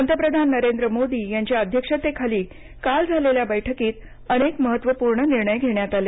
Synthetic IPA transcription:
ənt̪əpɾəd̪ʱanːəɾend̪ɾəmod̪iːjãɲt͡ɕjaəd̪ʱjəkʂət̪ekʰaliː | kald͡zʱaleljabəjʈʰəkiːt̪ | ənekməɦət̪ːʋəpuːɾɳəniɾɳəjɡʱeɳjat̪ale

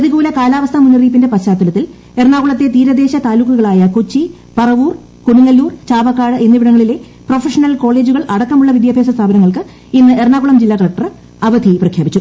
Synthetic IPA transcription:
ɐðiɣuːlɐkaːlaːʋɐst̪ʰɐmunːɐriːp̬ːinde̞pɐɕaːt̪ːulɐt̪ːil | erɳaːɣuɭɐt̪ːe̞t̪iːɾɐd̪e̞ːɕɐt̪aːlukːuɣɐɭaːjɐkot͡ɕːi | pɐrɐʋuːr | kuɳuŋːɐlːuːrt͡ɕaːbɐkːaːɽɨenːiʋiɽɐŋːɐɭile̞ | pro̞fɐʂɐnɐlko̞ːɭe̞ːd͡ʑuɣɐɭʔɐɽɐkːɐmuɭːɐʋid̪jaːbʱe̞ːsɐst̪ʰaːbʱɐnɐŋːɐɭkɨ | inːɨʔerɳaːɣuɭɐmd͡ʑilːaːkɐɭɐk̚ʈːɐr | ɐʋɐd̪ʱiprɐkʰjaːbit͡ɕːu

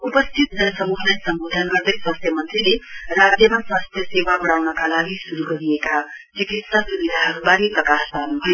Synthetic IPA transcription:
upʌst̪ʰit̪̚d͡zʌnsʌmuɦnʌjsʌmbod̪ʱənɡʌɾd̪ʌjswast̪ʰjemʌnt̪rileɾad͡zjʌmaswast̪ʰjʌsewabʌɽawnʌkalaɡisuɾuɡʌɾieka | t͡ʃikit̪sasubid̪ʱaɦʌɾubaɾiprʌkasbanuɦʌe

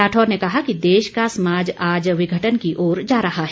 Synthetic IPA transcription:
aːʈʰɔːɾnekɐɦakid̪eːʃkasɐmaːd͡ʒaːd͡ʒʋɪɡʱəʈənkiʔoːɾd͡ʒaːɾɐɦaɦɛ

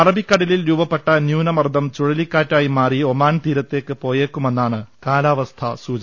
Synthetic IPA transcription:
ɐrɐbikːɐɽɐlilɾuːbɐpːe̞ʈːɐnjuːnɐmɐrd̪ʱɐmt͡ɕuɻɐlikːaːtːaːjimaːriomaːnt̪iːɾɐt̪ːe̞ːkːɨpo̞ːjeːkːume̞nːaːɳɨkaːlaːʋɐst̪ʰɐ̰suːd͡ʑɐ

